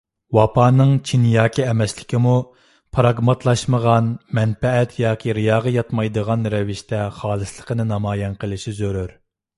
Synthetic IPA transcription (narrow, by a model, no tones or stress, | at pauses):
wɑpʰɑːnɨŋt͡ʃʰinjɑːkʲʰiɛmɛslɪkʲimu | pʰɾɑɡmɑt̪ʰlˠɑʃməʁɑnmɛnpɛɛt̪ʰjɑːkʲʰiɾɨjɑːʁɑjɑt̪mɑjd̪əʁɑnɾɛvɪʃt̪ɛχɑːlˠɨslˠəqʰənɨnɑmɑːjɛnqəlˠɪʃizøɾyɾ